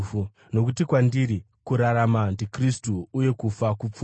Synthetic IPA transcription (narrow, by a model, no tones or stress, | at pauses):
u | no̞k̬utikwandiɾi | kuɾaɾamandikristuːje̞kufakup͡fu